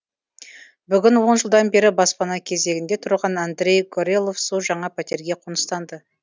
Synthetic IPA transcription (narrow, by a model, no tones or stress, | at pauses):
bʏɡʲɪnwo̞nʒəlˠd̪ɑnbe̞ɾɪbɑspɑnɑkʲʰe̞ze̞ɡʲɪnd̪e̞t̪ʰʊɾʁɑnand̪ɾʲe̞jɡoɾʲelˠo̞fsuʒɑɴɑpʲʰæt̪e̞ɾɡʲe̞qʰʊnəst̪ɑnd̪ə